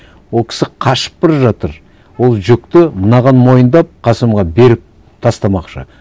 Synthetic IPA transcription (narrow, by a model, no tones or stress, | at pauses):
wo̞lˠkʲʰɪ̥sɪqʰɑʃə̥pːɪɾʒɑt̪əɾ | wo̞lˠʒʏk̚t̪ɪmənɑʁɑnmo̞jənd̪ɑp̚qʰɑsəmʁɑbe̞ɾɪp̚ | t̪ʰɑst̪ɑmɑqʃə̰